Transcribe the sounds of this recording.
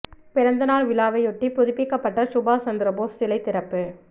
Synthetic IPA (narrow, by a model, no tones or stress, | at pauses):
pɪɾɐnd̪ɐnaːɭʋɪlaːʋɐɪɔʈːipʊðɪpːɪkːɐpːɐʈːɐsʊbaːsɐnd̪ɪɾɐboːssɪlɐɪt̪ːɪɾɐpːɯ